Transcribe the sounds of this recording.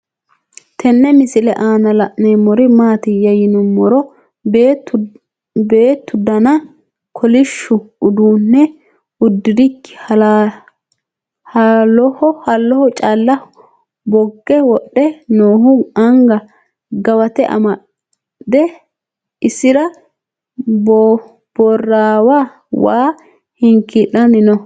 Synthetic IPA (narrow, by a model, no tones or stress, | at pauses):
t̪ʰɛnːɛmɪsɪlɛʔaːnɐlɐʔnemɔɾɪmaːt̪ɪjɐjɪnʊmːɔɾɔ | be̞ːt̪ːʊd̪ɐnɐ | kʰɔlɪʃːʊʊd̪uːnːɛ | ʊd̪ːɪd̪ɪkːɪ̥ɐ | hɐlɔhɔhɐlːɔhɔt͡ʃʼaːlːɐ | bɔɡːɛwɔɗːɛnoːhʊɐŋɡɐ | ɡɐwɐt̪ɛʔɐ̰mɐ | d̪ɛ | ɪsɪɾɐ | b̥ɔrːaːwa | waː | hɪŋkɪʔːɐnɪnɔ